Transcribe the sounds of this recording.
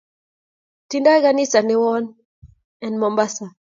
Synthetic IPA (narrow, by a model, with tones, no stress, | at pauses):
ti˦nda˦jɡa˦nɪ˦sa˨nɪ˦wɔ˦n | ɛ˨nmɔ˨mba˦sa˨